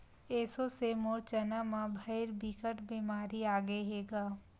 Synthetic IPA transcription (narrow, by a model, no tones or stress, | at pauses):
eːsosemoːɾt͡ʃənamãbʱɐɪɾbikəʈbiːmaːɾiaːɡeɦeːɡaː